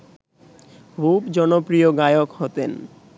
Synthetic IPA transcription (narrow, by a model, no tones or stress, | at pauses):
bʱupd͡ʑɔnopɾioɡajokɦot̪en